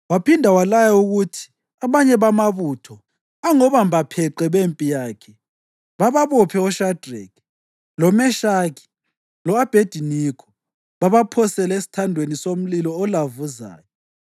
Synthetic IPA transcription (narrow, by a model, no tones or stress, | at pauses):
wapʰindʱawalajauɣutʰi̥ | aβaɲɛβamaβuːtʰɔ | aŋɔβambapʰɛǃɛβempʼijaːkʰɛ | βaβaβɔpʰɛɔʃad̥rɛk | lɔmɛʃaki̥ | lɔab̥ʱed̥ʱinikʰɔ̥ | βaβapʰɔsɛlesi̥tʰandʱwenisom̩lilɔːlavuza̰ːjɔ